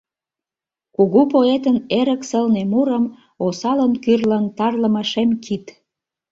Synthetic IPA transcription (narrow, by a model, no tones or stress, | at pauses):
kuɣupoet̪əneɾə̆ksəlnemuɾəm | osɑlənkyrlənt̪ɑrləməʃemkit̪